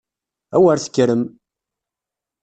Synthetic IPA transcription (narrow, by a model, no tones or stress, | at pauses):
æwaɾθə̥kːɾəm